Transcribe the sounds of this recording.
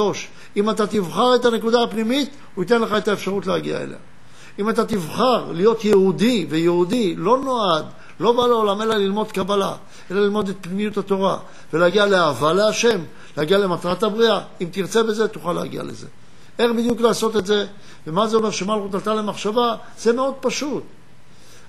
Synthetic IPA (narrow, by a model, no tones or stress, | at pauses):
oʃ | imat̪at̪ivχaʁe̞t̪ane̞kudaːpnimit | uit̪̬e̞nle̞χae̞t̪aefʃaʁutleaɡḭa̰ḛlḛa | imat̪̬at̪ivχaʁlijo̞t̪jeud̪ivejeudilo̞no̞ad̪ | lo̞baleo̞lame̞lalilmo̞d̪kabala̰ | e̞lalilmo̞d̪et̪̚pnimijut̪hat̪o̞ʁa | veleaɡialeavaleaʃe̞m | leaɡiale̞mat̪ʁatabʁiaimt̪iʁt͡se̞be̞ze̞t̪uχalea̰ɡḭa̰lḛze̞̰ | e̞χbid̪juklaːso̞t̪etze̞ | vemazeo̞me̞ʁʃemalχut̪alt̪ale̞maχʃava | z̥e̞me̞o̞d̪̚paʃut̪̚